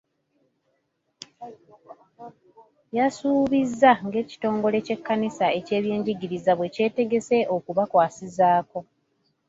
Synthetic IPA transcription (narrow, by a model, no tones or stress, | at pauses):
jasuːβizːaŋɡe̞ːci̥to̞ːŋɡo̞le̞ce̞kːanisae̞ce̞ːβje̞ːɲɟiɟiɾizaβwe̞ce̞ːte̞ɡe̞se̞ʔo̞kuβakwaːsizaːko̞